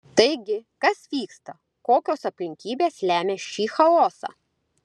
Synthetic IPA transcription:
t̪ɐɪɡʲɪkɐsʋʲiːkst̪ɐ | koːkʲoːsɐpʲlʲɪŋʲkʲiːbʲeːslʲæːmʲeːʃʲiːxɐlˠoːsɑ̰ː

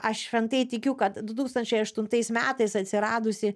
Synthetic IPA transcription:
ɐʃʃʲʋʲɛnt̪ɐɪt̪ʲɪkʲʊkɐt̪d̪ʊt̪uːkst̪ɐnʲt͡ʃʲɛɪɐʃt̪ʊnt̪ɐɪsmʲæːt̪ɐɪsɐt̪ʲsʲɪɾɑːd̪ʊsʲɪ

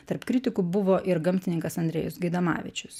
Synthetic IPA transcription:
t̪ɐɾpkɾʲɪt̪ʲɪkʊbʊʋoːʔɪɾɡɐmʲt̪ʲɪnʲɪŋkɐsɐnʲd̪ʲɾʲɛ̰jʊsɡʲɐɪd̪ɐmɑ̰ːʋʲɪ̰t͡ʃʲʊs

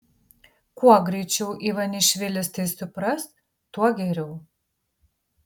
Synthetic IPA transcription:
kuɔɡɾʲɛɪt͡ʃʲɛʊʔiːʋɐnʲɪʃʲʋʲɪlʲɪst̪ɐɪsʊpɾɐs | t̪uɔɡʲɛɾʲɛʊ

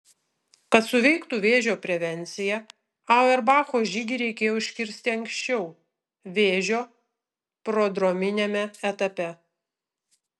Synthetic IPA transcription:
kɐt̪sʊʋʲɛɪkt̪uːʋʲeːʒʲoːpʲɾʲɛʋʲɛnʲt̪sʲɪjɛ | ɐʊɛɾbɑːxoːʒʲiɡʲɪɾʲɛɪkʲeːjoːʊɪʃʲkʲɪɾʲsʲt̪ʲɪɐŋʲkʲsʃʲt͡ʃʲɛʊ | ʋʲeːʒʲoː | pɾoːd̪ɾomʲɪnʲemʲɛɛt̪ɐpʲɛ

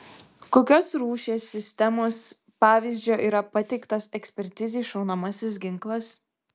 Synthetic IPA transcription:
koːkʲoːsɾuːʃʲeːsʲːɪsʲt̪ʲɛmoːs | pɑːʋʲiːˑzʲd͡ʒʲoːʔiːɾɐpɐt̪ʲɛɪkt̪ɐsɛksʲpʲɛɾʲt̪ʲɪzʲeːʃɒʊnɐmɐsʲɪs̬ɡʲɪŋklˠɐs

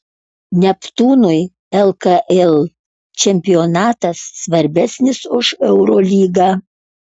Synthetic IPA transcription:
nʲɛpt̪uːnʊɪ | ɛlˠkɐʔɛlˠ | t͡ʃʲɛmʲpʲɪoːnɑːt̪ɐsːʋɐɾʲbʲɛsʲnʲɪsʊʃɛʊɾoːlʲiːɡɑː

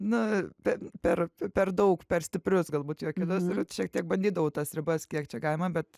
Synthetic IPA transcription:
nʊpʲɛpʲɛrpʲɛrd̪ɐʊkpʲɛrsʲt̪ʲɪpʲrʲʊsɡɐlˠbuːt̪joːkʲɪt̪ʊsɪrʃʲiɛk̚t̪ʲiɛk̚bɐnʲd̪ʲiːd̪ɐʋɐʊt̪ɐsɾʲɪbɐskʲiɛkt͡ʃʲɛɡɐlʲmɐbʲɛt̪

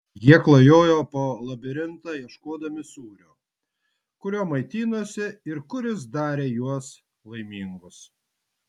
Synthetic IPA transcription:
jiɛklˠɐjoːjoːpoːlˠɐbʲɪɾʲɪnt̪ɑːjiɛʃkoːd̪ɐmʲɪsuːɾʲoː | kʊɾʲoːmɐɪt̪ʲiːnuɔsʲɪɪɾkʊɾʲɪs̬d̪ɑːɾʲeːjuɔs | lˠɐɪmʲiːŋɡʊs

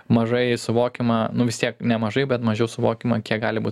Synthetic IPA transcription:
mɐʒɐɪsʊʋoːkʲɪmɐnʊʋʲɪst̪ʲiɛknʲɛmɐʒɐɪbʲɛt̪mɐʒʲɛʊsʊʋoːkʲɪmɐkʲiɛk̚ɡɑːlʲɪbuːt

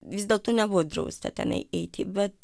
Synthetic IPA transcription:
ʋʲɪzdʲeːlˠt̪oːnʲɛbuʋod̪ɾɐ̰ʊsʲt̪ʲɐ̰t̪ʲɛ̰nɐ̰ɪʔɛɪt̪ʲɪbʲɛt̪

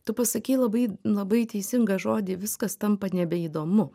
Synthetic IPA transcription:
t̪ʊpɐsɐkʲiːlˠɐbɐɪlˠɐbɐɪt̪ʲɛɪsʲɪŋɡɐʒoːd̪ʲɪʋʲɪskɐst̪ɐmpɐnʲɛbʲɛid̪oːmʊ

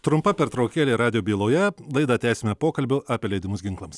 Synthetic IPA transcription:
t̪ɾʊmpɐpʲɛɾt̪ɾɐʊkʲeːlʲeːɾɑːd̪ʲɪjoːbʲiːlˠoːjɛlˠɐɪd̪ɐt̪ʲæːsʲɪmʲɛpoːkɐlʲbʲʊʔɑːpʲeːlʲɛɪd̪ʲɪmʊsɡʲɪŋklˠɐms

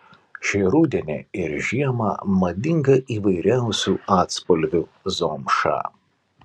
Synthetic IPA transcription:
ʃʲɛɾuːd̪ʲɛnʲḛːɪɾʒʲiɛmɑ̰mɐd̪ʲɪŋɡɐʔiːʋɐɪɾʲæˑʊsʲuːɑːt̪spɔlʲʋʲuzoːmʃɑ̰ː

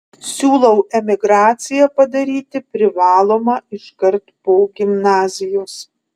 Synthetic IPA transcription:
sʲuːlˠɐʊɛmʲɪɡɾɑːt̪sʲɪjɛpɐd̪ɐɾʲiːt̪ʲɪpʲɾʲɪʋɑːlˠoːmɑɪʃkɐɾt̪poːɡʲɪmnɑːzʲɪjoːs

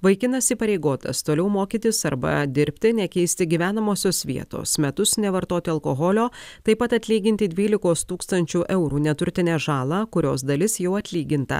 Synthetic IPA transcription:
ʋɐɪkʲɪnɐsiːpɐɾʲɛɪɡoːt̪ɐ̰st̪oːlʲɛʊmoːkʲiːt̪ʲɪsɐɾbɐ̰d̪ʲɪɾʲpʲt̪ʲɪnʲɛkʲɛɪsʲt̪ʲɪɡʲiːʋʲæːnɐmoːsʲoːsʋʲḭɛt̪o̰ːsmʲɛt̪ʊsnʲɛʋɐɾt̪oːt̪ʲɪɐlˠkoːɣɔlʲoːt̪ɐɪpɐt̪ɐt̪ʲlʲiːɡʲɪnʲt̪ʲɪd̪ʲʋʲiːlʲɪkoːst̪uːkst̪ɐnʲt͡ʃʲuːʔɛʊɾuːnʲɛt̪ʊɾʲt̪ʲɪnʲæːʒɑːlˠɑːkʊɾʲo̰ːsd̪ɐlʲɪsjɛʊɐt̪ʲlʲiːɡʲɪnt̪ɐ̰

